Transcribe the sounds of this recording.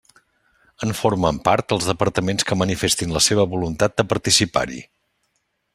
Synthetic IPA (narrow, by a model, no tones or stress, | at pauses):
əɱfoɾməmpaɾt̪̚əlˠzðəpəɾt̪əmenskəmənifest̪inləseβ̞əβulunt̪at̪̚d̪əpəɾt̪isipa̰ɾḭ